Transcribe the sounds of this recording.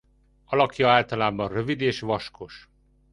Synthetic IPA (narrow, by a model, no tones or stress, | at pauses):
ɒlɒkjɒaːlt̪ɒlaːbɒnrøvid̪eːʃvɒʃkʰo̞ʃ